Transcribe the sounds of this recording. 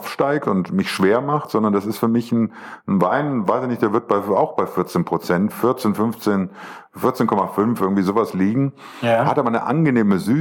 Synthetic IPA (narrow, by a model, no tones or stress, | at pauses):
fʃtaɪk̚tʊntmɪçʃv̥eːɐmaχtz̥ɔndɐndasɪstfyːɐmɪçn̩n̩vaɪnvaɪsɪçnɪçtd̥eɐvɪɐt̚b̥aɪaʊxb̥aɪfɪɐt͡seːnpʁ̥ot͡sɛntfɪɐt͡seːnfʏnft͡seːn | fɪɐt͡seːnkʰɔmafʏnfʔɪɐɡŋ̩v̥iːzoːvasliːɡŋ̩ | hataːbɐnəʔa̰nɡəneːməzyː